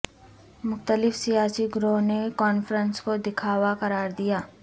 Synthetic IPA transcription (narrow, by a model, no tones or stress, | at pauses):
mʊxt̪əlɪfsijaːsiɡɾoːɦnekɔːnfəɾənskod̪ɪkʰaːwaqɐɾaːɾd̪ijaː